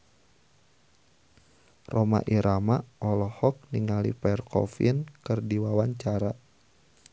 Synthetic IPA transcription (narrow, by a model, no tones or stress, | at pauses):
rɔma̰ʔiɾʔamaɔlɔhɔk̚niŋalḭpɛrkɔ̰fḭnkɨrdiwawaɲt͡ʃaɾa